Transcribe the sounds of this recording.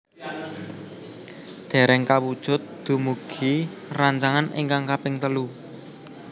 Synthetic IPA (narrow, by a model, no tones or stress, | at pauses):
d̪̥e̤ɾɛŋkawud̥ʒ̥ʊ̤t̪̚d̪̥ṳmuɡ̥i | raɲt͡ʃaŋanɪ̰ŋkaŋkapɪŋt̪əlu